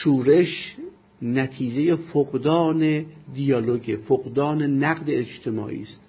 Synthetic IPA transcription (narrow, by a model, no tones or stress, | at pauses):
ʃuːɾe̞ʃ | næt̪ʰiːd͡ʒejefoɡd̪ɒːned̪ijɒːloɟefoɡd̪ɒːnenæɡd̪eːd͡ʒt̪ʰemɒ̰ːʔḭːst̪